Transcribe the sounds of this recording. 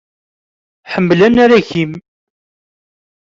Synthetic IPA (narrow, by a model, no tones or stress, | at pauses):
ħəmːlænaɾæʝim